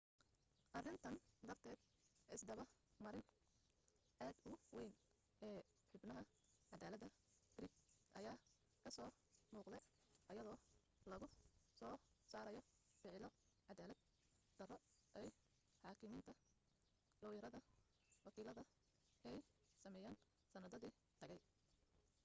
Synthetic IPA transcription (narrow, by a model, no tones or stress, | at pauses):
ʔɐrɪnt̪ʰɐnd̪ɐrt̪ʰɛːd̪ | ɪsd̪ɐβɐrmɐɾɪn | ʔaːd̪ʊwɛjn | ʔɛː | ħʊbnɐɦɐʕɑd̪aːlɐd̪ɐ | ɡɾɪɡʔɐjaː | kʰɐsɔːmuːqd̪ɛj | ʔɐjɐðɔː | lɐɣʊsɔːsaːɾɐjɔfɪʕɪlɔ | ʕɑd̪aːlɐd̪̥̚ | d̪̥ɐrɔʔɛj | ħɑːkʰɪmiːnt̪ʰɐ | lɔwjɐɾɐðɐ | wɑkʰiːlɐðɐ | ʔɛjsɐmɛjaːn | sɐnɐðɐðiː | t̪ʰɐɣɛj